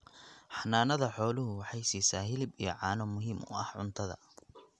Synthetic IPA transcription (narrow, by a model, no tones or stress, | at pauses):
ħɑnːaːnɐðɐħɔːlʊɦʊwɑħɑjsiːsaːhɪlɪbijɞ̰ʕɑːnɔmʊɦiːmʊ̰ɐ̰hʕʊnt̪ʰɐðɐ̰